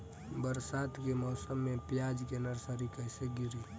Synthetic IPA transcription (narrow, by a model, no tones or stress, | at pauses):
bəɾsat̪kemɔːsəmːepjad͡ʒkenəɾsəɾikəɦseɡiɾi